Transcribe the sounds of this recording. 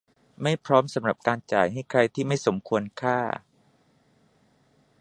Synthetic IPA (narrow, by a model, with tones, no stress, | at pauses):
ma˥˩jpʰɾɔː˦˥msa˨˦mɾa˨˩p̚kaː˧nt͡ɕa̰ː˨˩jɦa˥˩jkʰɾa˧jt̪ʰiː˥˩ma˥˩jso˩˦mkʰu˧ənkʰaː˥˩